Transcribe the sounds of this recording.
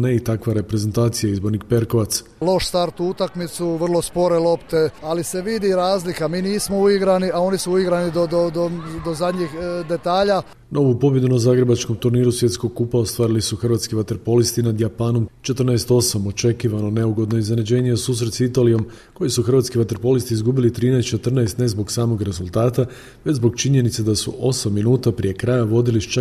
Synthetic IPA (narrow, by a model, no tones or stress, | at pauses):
neit̪akʋaɾe̞pɾeze̞nt̪aːt̪sijaizbo̞ɾnik̚pe̞ɾko̞ʋat̪s | lˠo̞ʃst̪aɾt̪uut̪akmit̪suʋr̩lˠo̞spo̞ɾelˠo̞pt̪e̞alise̞ʋid̪iɾaːzlikamiːniːsmouiɡɾaniʔao̞nisuuiɡɾanid̪od̪od̪od̪ozad̪ɲixd̪e̞t̪aːʎa | no̞ʋupo̞bje̞d̪unazaːɡɾe̞bat͡ʃko̞mt̪uɾniːɾusje̞t̪sko̞ɡ̚kupao̞st̪ʋaːɾilisuxrʋaːt̪skiʋat̪e̞ɾpo̞list̪inad̪japaːnomt͡ʃe̞t̪r̩naest̪o̞samo̞t͡ʃe̞kiʋano̞ne̞uɡo̞d̪no̞iznenad͡ʑe̞ːɲeosuːs̬ɾet̪sit̪alijo̞m | ko̞jisuxrʋaːt̪skiʋat̪e̞ɾpo̞list̪iizɡuːbilit̪ɾiːnɛjst̪t͡ʃe̞t̪r̩naest̪ne̞zbo̞ɡsaːmo̞ɡɾe̞zulˠt̪aːt̪a | ʋet͡ɕzbo̞ɡt͡ʃiɲe̞nit̪sed̪asṵʔo̞samːinuːt̪apɾijekɾajaʋo̞d̪iliʃt͡ʃa